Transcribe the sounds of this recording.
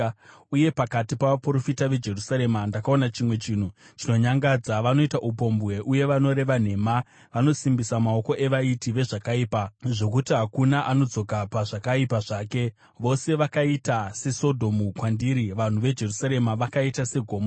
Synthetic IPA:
uje̞pakatipaʋapuro̞fitaʋe̞d͡ʒe̞rusaɾe̞mandakao̞nat͡ʃimwe̞t͡ʃiːn̤ut͡ʃino̞ɲaŋɡad͡zaʋano̞itaʔupo̞mbɣe̞ʔuje̞ʋano̞ɾe̞ʋan̤e̞ma | ʋano̞simbisamao̞ko̞ʔe̞ʋaitiʋe̞ʐakaiːpaʐo̞kutiɦakunaʔano̞d͡zo̞kapaʐakaipaʐaːke̞ | ʋo̞se̞ʋakaitase̞so̞dʱo̞mukwandiːɾiʋan̤uʋe̞d͡ʒe̞rusaɾe̞maʋakaitase̞ɡʱo̞ːmo

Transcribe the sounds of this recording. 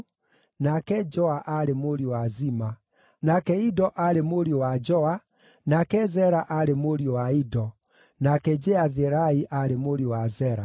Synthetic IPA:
nakɛd͡ʒɔaʔaɾemoɾiowazima | nakɛidɔʔaɾemoɾjowad͡ʒɔa | nakɛzɛɾaʔaɾemoɾiowaidɔ | nakɛd͡ʒɛaðeɾaiʔaɾemoɾjowazɛɾa

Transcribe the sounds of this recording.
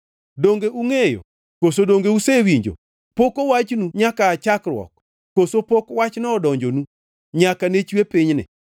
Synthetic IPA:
doŋɡeʔuŋejo̰ | kosodoŋɡeusewiɲd͡ʒo̰ | pokowat͡ʃnuɲakaːt͡ʃakrwɔ̰k̚ː | osopokwat͡ʃnɔːdɔɲd͡ʒonu | ɲakanet͡ʃwepiɲnɪ̰

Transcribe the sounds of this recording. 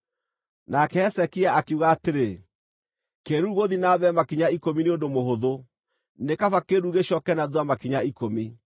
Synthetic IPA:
nakɛɛsɛkiaʔakuɣaːteɾe | keɾuɣoðinaβɛmakiɲaikomineondomoɦoðo | nekafakeɾuɣeɕɔkɛnaðwamakiɲaikomi

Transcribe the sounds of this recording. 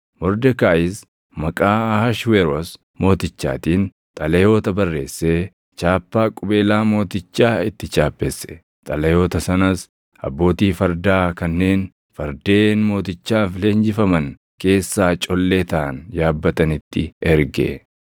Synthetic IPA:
mɔɾd̪ɛkaːɪs | mɐkʼaːhɐʃwɛɾos | mo̞ːt̪ɪt͡ʃːa̰ːt̪iːn | t̪ʼɐlɛjo̞ːt̪ɐbɐrːe̞̰ːsːeː | t͡ʃaːpːaːkʼʊbe̞ːlaːmo̞ːt̪ɪt͡ʃːaːɪt̪ːɪt͡ʃaːpʼːɛsːɛ̥ | t̪ʼɐlɛjo̞ːt̪ɐsɐnɐs | ɐ̰bːo̞ːt̪iːfɐɾd̪aːkɐnːe̞ːn | fɐɾd̪e̞ːnmo̞ːt̪ɪt͡ʃːaːfɪleːnd͡ʒɪfɐmɐn | ke̞ːsːaːt͡ʃʼɔlːeːt̪ɐʔɐ̰njaːbːɐt̪ɐnɪt̪ːɪɛɾɡḛ

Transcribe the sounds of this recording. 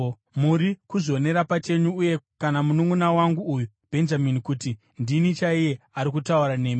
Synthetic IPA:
muɾikuzo̞ne̞ɾapat͡ʃe̞ɲuːje̞kanamunuŋunawaŋɡuːju | b̥ʱe̞nd͡ʒaminikuti | ndinit͡ʃaije̞aɾik̬utauɾane̞ːmi

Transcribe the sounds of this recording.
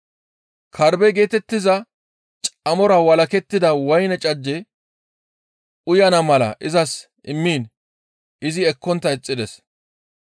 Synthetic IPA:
kʰɐɾbɛɡe̞ːt̪ɛt̪ːɪzɐ | t͡ʃʼɐmɔɾɐwɐlɐkɛt̪ːɪd̪ɐwɐjnɛt͡ʃʼɐd͡ʒːɛ | ʊjɐnɐmɐlɐ̰ʔɪzɐs | ɪmːiːn | ɪzɪɛkːɔnt̪ːɐɛt͡sʼːɪd̪ɛs

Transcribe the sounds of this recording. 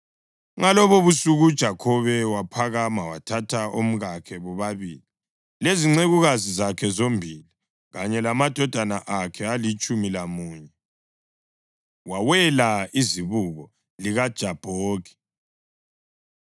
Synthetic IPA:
ŋalɔβoβusuɣud̥ʒ̥ʱakʰɔβɛwapʰaɣamawatʰatʰaom̩ɣakʰɛβɔβaβḭːli | leziŋ͡ǀeɣuɣazizakʰɛzombʱili | ɣaɲɛlamad̥ʱɔd̥ʱanaʔakʰɛalit͡ʃʼumilamuːɲɛ | wawɛlaiziβuɣɔ | liɣad̥ʒ̥ʱab̥ʱoːkʰɛ̥

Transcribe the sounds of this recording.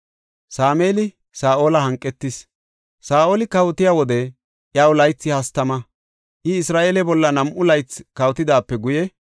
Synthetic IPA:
saːmeːlɪ | saːʔo̞ːlɐhɐŋkʼːɛt̪ːɪs | saːʔoːlɪkɐwɔt̪ɪjawɔd̪ɛ | ʔjawlɐjt͡sːɪhɐst̪ɐmɐ | ʔɪɪsɾaːʔeːlɛbɔlːɐnɐmʔʊlɐjt͡skɐwt̪ɪd̪aːpːɛɡʊjɛ

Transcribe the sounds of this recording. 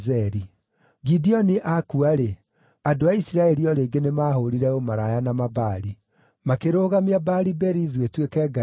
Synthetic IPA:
zɛɾi | ɡidiɔniʔakuaɾe | adoaisiɾaɛɾiɔɾeŋɡenemaːɦoɾiɾɛomaɾajanamabaːɾi | makeɾoːɣamiabaɾibɛɾiðwetwekɛːɡa

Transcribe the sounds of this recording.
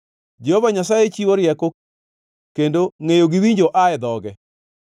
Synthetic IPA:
d͡ʒɛhovaɲasajet͡ʃiwoɾɪjɛko | kendoŋejoɡiwiɲd͡ʒoʔaɛd̪ɔɡɛ

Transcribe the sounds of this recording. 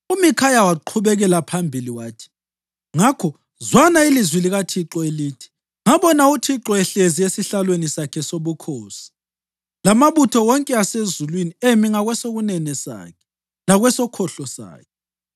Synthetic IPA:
umikʰajawaǃʰuβɛɣɛlapʰambʱiliwaːtʰi̥ | ŋakʰɔ | zwanailizwiliɣatʰiǁɔeliːtʰi̥ | ŋaβɔnautʰiǁɔɛɬeziesiɬalwenisakʰɛsoβukʰoːsi̥ | lamaβutʰɔwɔŋkʼɛasezulwiniemiŋaɣwɛsoɣunɛnɛsa̰ːkʰɛ̥ | laɣwɛsɔkʰɔɬɔsa̰ːkʰɛ

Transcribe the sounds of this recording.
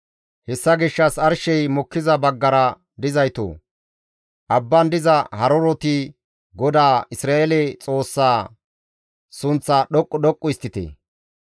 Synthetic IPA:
hɛsːɐɡɪʃːɐsɐɾʃɛjmɔkːɪzɐbɐɡːɐɾɐ | d̪ɪzɐjt̪o̰ː | ʔɐbːɐnd̪ɪzɐhɐɾɔɾɔt̪ɪ | ɡɔd̪aːɪsɾaːʔɛlɛt͡sʼo̞ːsːaː | sʊnt͡sːaːɗɔkʼːɔɗ̪ɔkʼːʊɪst̪ːɪt̪ḛː

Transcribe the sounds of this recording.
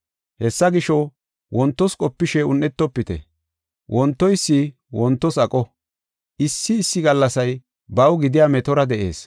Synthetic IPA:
hɛsːɐɡɪʃɔ | wʔɔnt̪ːɔskʼɔpːɪʃɛʊnːɛt̪ːɔpːɪt̪ɛ̰ | wʔɔnt̪ːɔjsːɪ | wɔnt̪ːɔsɐkʼɔ | ʔɪsːɪːsːɪɡɐlːɐsɐj | bɐwɡɪd̪ɪjamɛt̪ɔɾɐd̪ɛʔe̞̰ːs

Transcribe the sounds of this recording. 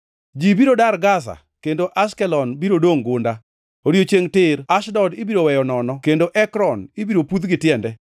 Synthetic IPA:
d͡ʒibiɾodaɾɡas̬a̰ | kendoʔaskɛlɔnbiɾodoŋɡʊnda | oɾiot͡ʃeŋtɪɾaʃdɔdɪbiɾowɛjɔnɔnɔkendoʔɛkɾɔnɪbiɾoput̪ɡɪtjɛndɛ

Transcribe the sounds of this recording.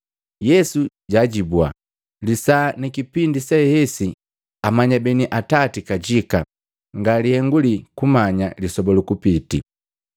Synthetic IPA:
jɛsu | ɟaɟibua̰ | lisanikipindisɛhɛsi | amaɲabɛniʔatatikaɟika | ŋɡalihɛŋɡulikumaɲalisɔbɔlukupitḭ

